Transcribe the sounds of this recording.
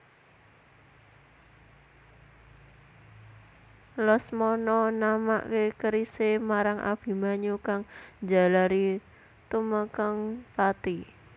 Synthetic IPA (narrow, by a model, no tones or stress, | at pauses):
lɔsmɔnɔnama̰ʔkekəɾisemaɾaŋʔa̰b̥i̤maɲukaŋd͡ʒa̤laɾi | t̪uməkəŋpat̪i